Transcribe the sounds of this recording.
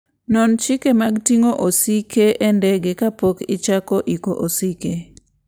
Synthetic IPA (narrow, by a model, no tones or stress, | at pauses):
nɔnt͡ʃikemaɡtiŋoʔosikʰeʔendɛɡekapokɪt͡ʃakoʔikoʔosike